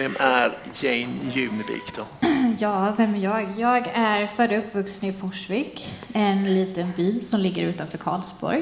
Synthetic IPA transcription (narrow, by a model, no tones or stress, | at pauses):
ɛmʔæɾ | jɛɪnjʉ̟ːnəbḭːkd̪̥ɔjɑːvɛmæjɑːɡjɑːɡæɾfœːɾəɵpːvɵksənɪfɔʂvɪkɛnliːt̪ənbiːlsɔmlɪɡːəɾʉ̟ːt̪anfœːɾkʰɑ̰ːlsbɔ̰ɾj